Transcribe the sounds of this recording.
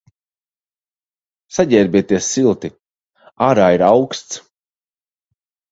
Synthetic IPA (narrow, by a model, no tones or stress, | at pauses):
saɟʲɛːɾbʲiɛt̪iɛsːilˠt̪i | aːɾaːiɾawkst̪s